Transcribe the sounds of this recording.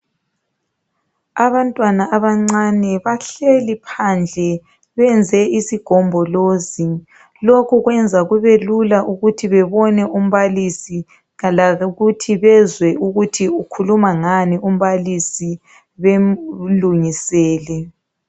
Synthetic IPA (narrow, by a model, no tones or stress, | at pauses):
aβantʼwanaʔaβaŋ͡ǀanɛβaɬelipʰand͡ɮʱɛ | βɛnd͡zʱɛisiɡ̥ʱɔmbʱɔloːzi | lokʰuɣwɛnd͡zʱaɣuβelulaʔuɣutʰiβɛβɔnɛʔum̩βalisi | ɣalaɣutʰiβɛzwɛʔuɣutʰiukʰulumaŋanium̩βalisi | βeluŋisɛːlɛ